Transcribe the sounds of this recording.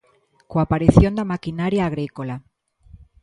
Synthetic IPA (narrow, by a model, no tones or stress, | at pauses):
koapaɾiθjond̪amakinaɾjaːɣ̞ɾikola